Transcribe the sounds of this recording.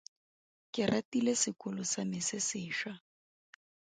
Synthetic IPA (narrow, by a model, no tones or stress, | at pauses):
kɪrʔatilesɪkʼʊlʊsamɪsɪsɪːʃa